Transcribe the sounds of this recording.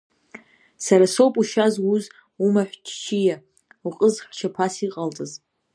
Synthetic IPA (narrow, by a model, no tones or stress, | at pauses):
saɾaso̞wpʼuʃazuz | umaħʷt͡ʃʰt͡ʃʰija | uqʼəzħʷt͡ʃʰapʰasiqʼaltʼɨz